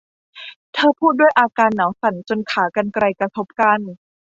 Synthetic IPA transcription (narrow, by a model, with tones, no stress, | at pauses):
t̪ʰɤː˧pʰuː˥˩t̪̚du˥˩əjʔaː˧kaː˧nːaː˩˦wsa˩˦nt͡ɕo˧nkʰaː˩˦ka˧nkɾa˧jkɾa˧t̪ʰo˦˥p̚ka˧n